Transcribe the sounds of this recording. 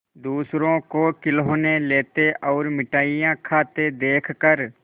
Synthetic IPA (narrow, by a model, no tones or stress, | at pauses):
d̪uːsɾõkokɪlɦoːneleːt̪eʔɔːɾmɪʈaːijãkʰaːt̪ed̪eːkʰkəɾ